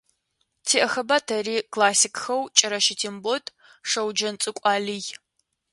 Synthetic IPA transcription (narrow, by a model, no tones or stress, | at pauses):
tʰiːʔɐxɐbɐtʰɐriːkʰlaːsikxɐwt͡ʃʼɐɾɐʃɪtʰiːmbotʼ | ʂɐwd͡ʒɐnt͡sʼɨkʷʼɑːlij